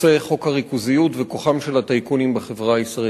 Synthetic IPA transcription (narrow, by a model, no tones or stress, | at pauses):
eχo̞khaʁikuzijutvekoχamʃe̞lhat̪ajkunimbeχevʁaaisʁa